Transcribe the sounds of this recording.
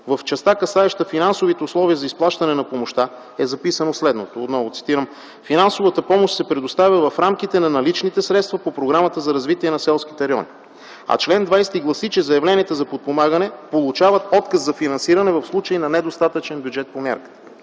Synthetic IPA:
vɐft͡ʃɛst̪akɐsaɛʃt̪əfinansovit̪ɛʊslˠɔviəzɐisplˠaʃt̪ɐnɛnɐpomoʃt̪a | ɛzɐpisənoslɛd̪not̪oːt̪nɔvot̪si̥t̪iɾəm | finansovət̪əpɔmoʃt̪sɛpɾɛd̪ost̪avʲəvɐfɾamk̟it̪ɛnɐnɐlit͡ʃnit̪ɛsɾɛt̪st̪vɐpopɾoɡɾamət̪əzɐɾɐzvit̪iɛnɐsɛlˠskʲit̪ɛɾɛɔ̰ni | ɐ̰t͡ʃlɛnd̪vajst̪iɡlˠɐsit͡ʃɛzɐjɐvlɛniət̪əzɐpot̪̚pomaɡənɛpolˠut͡ʃavət̪ɔt̪kəszɐfinɐnsiɾɐnɛvɐfslˠut͡ʃəinɐnɛd̪ost̪at̪ət͡ʃɛnbʲjud͡ʒɛt̪̚pomʲja̰ɾkə̥t̪ə̥

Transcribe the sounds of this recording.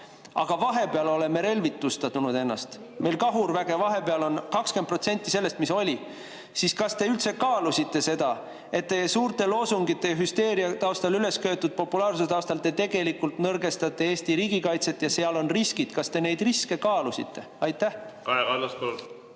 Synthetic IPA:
ɑ̰ɡ̥ɑvɑɦe̞peɑlo̞le̞me̞ɾe̞lvit̪ːˑust̪ɑt̪unud̪e̞nːɑ̰st̪ | mʔe̞jlkɑɦurvæɡ̥e̞vɑɦe̞peɑlo̞nkɑkskepro̞t̪se̞nʲt̪ːˑise̞lːe̞st̪miso̞lʲi | siskɑst̪e̞ylt̪se̞kɑːlusʲit̪ˑːe̞se̞d̪̥ɑ | e̞t̪ːe̞esuːrt̪e̞lo̞suŋɡit̪ːˑe̞jɑɦyst̪e̞ːɾiɑt̪ɑost̪ɑlyle̞skø̞ːt̪ːud̪̥̚po̞pːulɑːrsuset̪ɑowst̪ɑlt̪ːet̪e̞ɡe̞likːˑult̪nɤrɡe̞st̪ɑt̪ˑːe̞eːsʲt̪iɾiːɡ̥ikɑjt̪se̞t̪ːˑjɑseɑlo̞nriskid̪̥kɑst̪e̞ne̞jd̪̥riske̞kɑːlusḭt̪ːˑe̞ | ɑjt̪ːˑæhkɑekɑllːɑspo

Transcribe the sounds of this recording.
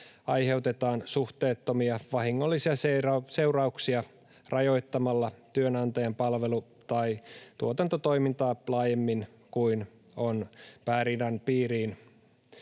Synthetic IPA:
ɑjɦe̞wt̪e̞t̪ɑːnsuht̪e̞ːt̪ːo̞miɑʋɑɦiŋːo̞lːisiɑseɑse̞wrɑuksiɑ | rʔɑjo̞jt̪ːɑmɑlːɑt̪yønɑnt̪ɑjɑmpɑlʋe̞lu | t̪ɑijt̪uot̪ɑnt̪ot̪o̞jmint̪ɑːlɑːjemːin | kuin | o̞npæːɾinɑnpiːɾiːn

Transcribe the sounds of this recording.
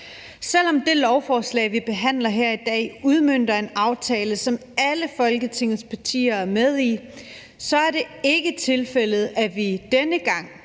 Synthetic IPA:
sel̰ɒ̽md̥e̝lɒʊfɒːslɛ̰ːɪʋib̥e̝ɦæn̰lɐɦeɐ̰id̥ɛ̰ːuð̞ˠmøn̰d̥ɐe̝nɑ̈ʊt͡sʰɛːləsɒ̽mæləfɒ̽lɡ̥ət͡sʰe̝ŋð̩ˠspʰɑ̈t͡sʰḭːɐæɐmeð̞ˠi | sɒ̽æɐɾe̝e̝ɡ̥ət͡sʰe̝lfel̰ð̞̩ˠæʋid̥enəɡ̥ɑ̈ŋ̰

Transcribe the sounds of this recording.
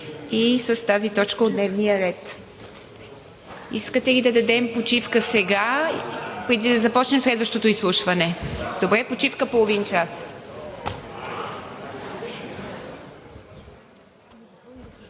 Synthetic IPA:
isəst̪azit̪ɔt͡ʃkəod̪nɛvnijəɾɛt̪ | iskət̪ɛlid̪ɐd̪ɐd̪ɛmpot͡ʃifkəsɛɡa | pɾɛd̪id̪ɐzɐpɔt͡ʃnɛmslɛd̪vəʃt̪ot̪oislˠuʃvɐnɛd̪obɾɛpot͡ʃifkəpolˠovint͡ʃas

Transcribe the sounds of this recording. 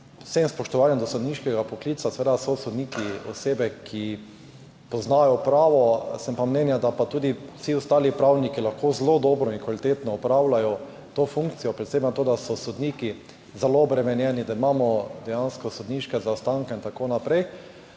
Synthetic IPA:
semspɔʃt̪ɔʋaːnjɛmd̪ɔsɔd̪niʃkɛɡapɔkliːsasɛʋeːd̪asɔsɔd̪niːkiɔ̰seːbɛkʰi | pɔznajɔpɾaːʋɔsɛmpamnɛnjad̪apat̪uːd̪isiɔst̪aːlipɾawnikilaxkozlod̪ɔːbɾɔiŋkʋalit̪et̪nɔːpɾawlajɔ | t̪ofuŋkt̪sijɔpɾɛt̪seɪmnat̪oːd̪asɔsɔd̪niki | zɛloɔbɾɛmɛnjɛnid̪aimaːmɔd̪ɛjanskɔsod̪niːʃkɛzaɔst̪aŋkɛint̪akonapɾɛj

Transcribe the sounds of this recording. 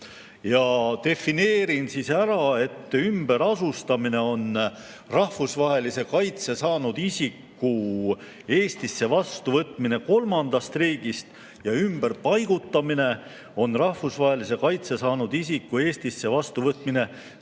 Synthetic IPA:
jɑt̪e̞fine̞ːɾinsisæɾɑe̞t̪ːymb̥e̞ɾɑsust̪ɑmine̞o̞n | rɑhfusvɑɦe̞lise̞kɑjt̪se̞sɑːnud̪̥isʲikːu | e̞ːst̪isːe̞vɑst̪uvɤt̪ˑmine̞ko̞lmɑnd̪̥ɑst̪riːɡ̥ist̪ | jɑymb̥erpɑjɡ̥ut̪ːˑɑmine̞ | o̞nrɑhfusvɑɦe̞lis̬e̞kɑjt̪se̞sɑːnud̪̥isikːue̞ːsʲt̪isːe̞vɑst̪uvɤt̪ːˑmine̞

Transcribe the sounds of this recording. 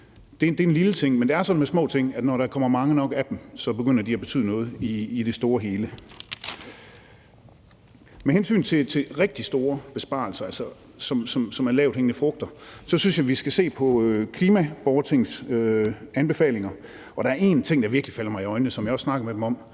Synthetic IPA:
d̥e̝d̥e̝enlilət͡sʰe̝ŋ̰mend̥eæɐsɒ̽nmesmɔ̰̽ːt͡sʰe̝ŋ̰æd̥nɒɾɑ̈kʰɒ̽m̰ɐmɑ̈ŋənɒ̽ɡ̥æd̥em̩sɒ̽b̥e̝ɡ̥øn̰ɐd̥iæb̥e̝t͡sʰy̰ð̰ˠnɔ̽ːð̞̩ˠiːd̥e̝sd̥o̝ːɐɦe̝ːlə | mehensy̰ːnt͡sʰe̝t͡sʰe̝ʁɛɡ̥̚d̥isd̥o̝ːɐb̥e̝sb̥ɑ̰̈ːl̩sɐælsɐ | sɒ̽msɒ̽msɒ̽mæɐlɛːʊ̥eŋnəfʁɔ̽ɡ̥̚d̥ɐsɒ̽synsjɑ̈ɪʋisɡ̥æse̝̰ːpʰɒ̽økʰliːmæb̥ɒʊɐt͡sʰeŋsøænb̥e̝fɛ̰ːle̝ŋɐ | ʔɒ̽ɾ̥ɑ̈æɐe̝nt͡sʰe̝ŋ̰dɑʋiɐɡ̥lifælɐmɑ̈ɪiɒ̽ɪnəsɒ̽mjɑ̈ɪɒ̽snɑ̈ɡ̥ɐmed̥emɒ̽m̰

